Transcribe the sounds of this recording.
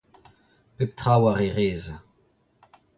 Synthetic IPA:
pep̚tʁawaʁeʁeːza

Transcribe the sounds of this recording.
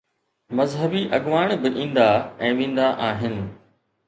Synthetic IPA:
mɐzɦəbiʔɐɠʋaːɳ̃bɪʔĩːn̆d̪aɛ̃ːʋẽːn̆d̪aʔaːɦɪnɪ̆

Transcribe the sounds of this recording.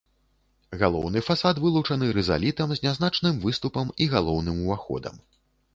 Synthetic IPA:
ɣalˠɔ̰wnɨfasat̪vɨlˠut͡ʂɐnɨɾɛza̰lʲit̪ɐmzʲnʲazn̪at͡ʂnɨmvɨst̪upɐmiɣalˠɔwnɨmuvaxɔ̰d̪ɐ̰m

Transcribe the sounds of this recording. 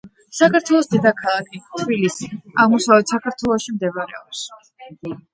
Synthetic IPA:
sakaɾt̪ʰwɛlˠɔsd̪ɛd̪akʰalˠakʰit̪ʰbilisiaʁmɔsavɛt̪sakʰaɾt̪ʰwɛlˠɔʃimd̪ɛvaɾɛ̰ɔps

